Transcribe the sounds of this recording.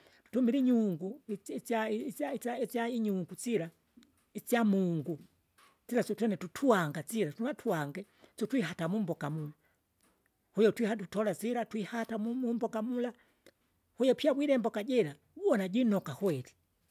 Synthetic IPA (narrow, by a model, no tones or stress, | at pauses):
tumiliɲuŋɡut͡saaiait͡saiɲuŋɡut͡sila | it͡sjamuŋɡu | t͡silasɔtwɛnɛtutʰuaŋɡat͡siɾatunatʰuaŋɡɛ | sɔtwiɦatamumbɔkamula | hujɔtwihatutɔlat͡siɾatwihatamumumbɔkamula | hujɔpiabwiɾɛmbɔkaɟɛla | uwɔnaɟinɔkahwɛti̥